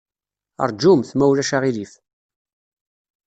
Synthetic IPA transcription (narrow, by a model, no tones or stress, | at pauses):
ə̰ɾˤd͡ʒumθmæwlæʃaʁilif